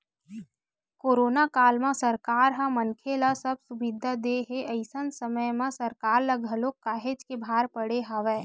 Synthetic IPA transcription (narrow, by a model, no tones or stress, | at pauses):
koːɾoːnakaːlmãsɐɾkaːɾɦãmənkʰelasɐb̚sʊbɪd̪ʱad̪eɦeʔəɪsənsəməjmãsɐɾkaːɾlɐɡəlokːaːɦed͡ʒkebʱaːɾpəɽeɦaʋɛː